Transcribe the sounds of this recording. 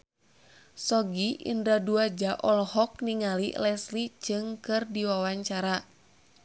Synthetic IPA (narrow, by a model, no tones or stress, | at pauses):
sɔɡiʔḭndɾaduad͡ʒaʔɔlhɔk̚niŋalḭlɛslid͡ʒɨŋkɨrdiwawaɲt͡ʃaɾa